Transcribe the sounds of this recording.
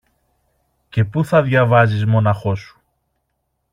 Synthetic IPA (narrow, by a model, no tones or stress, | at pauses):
ce̞puθɐðʝɐvɐzizmo̞nɐxo̞su̥